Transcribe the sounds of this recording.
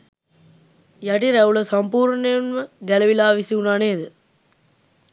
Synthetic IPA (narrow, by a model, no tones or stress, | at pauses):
jɐʈiɾɐʋuɭɐsɐmpuːɾɳɐnmɐɡɐlɐʋilaːʋisiunaːneːd̪ɯ